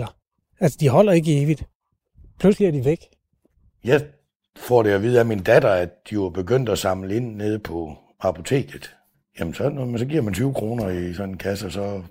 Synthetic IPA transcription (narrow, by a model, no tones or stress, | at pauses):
ɐ | ælsəd̥iɦɒ̽l̰ɐe̝ɡ̥əe̝ːʋid̥ | pʰlusliæɐd̥iʋeɡ̥ | jɑ̈ɪ | fɒɾ̥e̝ɒʋiːð̞̩ˠæmind̥æd̥ɐædd̥ijoɑb̥e̝ɡ̥øn̰d̥æsɑ̈mləe̝n̰ːe̝ð̞ˠpʰɒ̽ | ɑ̈pʰo̝t͡sʰe̝̰ːɡ̥ð̩ˠ | jemənsɒ̽nmnsɒ̽ɡiɐmænt͡sʰyːʊkʰʁo̝ːnɐisɒ̽nenkʰæsəɒsɒ̽